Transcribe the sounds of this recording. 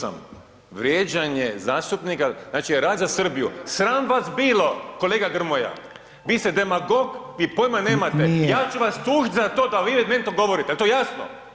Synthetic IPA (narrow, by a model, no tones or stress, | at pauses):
a̰m | ʋɾjeːd͡ʑaɲezaːst̪upnikaznaːt͡ʃijeɾaːd̪zasr̩bijṵsɾaːmʋasbiːlo̞ko̞leːɡaɡr̩moja̰ | ʋiːst̪ed̪emaɡo̞k | ipojmaneːmat̪ejaːt͡ʃuʋast̪uːʒit̪ʲzat̪oːd̪aʋiːʋed̪nent̪oɡo̞ʋo̞ɾit̪ɛalt̪ojasno̰